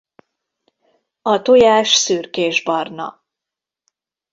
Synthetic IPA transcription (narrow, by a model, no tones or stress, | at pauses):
ɒt̪ojaːʃsyːrkeːʒbɒrnɒ̰